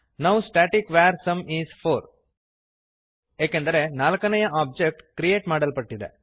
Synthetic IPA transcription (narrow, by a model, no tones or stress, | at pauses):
nɐʋsʈaːʈikʋaːɾsɐmiːzpʰoːɾ | eːkend̪ɐɾe̞naːlɐkɐnɐjɐʔaːb̚d͡ʒek̚ʈkɾijeːʈmaːɽɐlpɐʈːid̪ḛ